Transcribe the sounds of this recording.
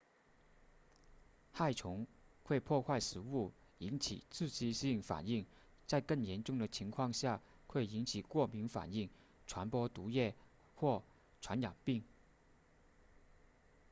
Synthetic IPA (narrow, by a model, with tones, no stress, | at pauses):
xa˥˩ɪʈ͡ʂʰʊ˧˥ŋxwe˥˧ɪpʰwɔ˥˧xwa˥˩ɪʂɻ̩˧˥u˥˩ | i˧˥nt͡ɕʰḭ˨˩t͡sʰɹ̩˥˩t͡ɕi˥ɕi˥˩ŋfa̰˨˩ni˥˩ŋ | t͡sa˥˧ɪkɤ˥˩ŋjɛ˧˥nʈ͡ʂʊ˥˩ŋd̪ə˩t͡ɕʰi˧˥ŋkʰwɑ˥˧ŋɕja˥˧ | xwe˥˩ɪi˧˥nt͡ɕʰi˨˩kwɔ˥˩mi˧˥ŋfa̰˨˩ni˥˩ŋ | ʈ͡ʂʰwa˧˥npwɔ˥t̪u˧˥jɛ˥˧ | xwɔ˥˩ | ʈ͡ʂʰwa˧˥njɑ̰˨˩ŋpi˥˩ŋ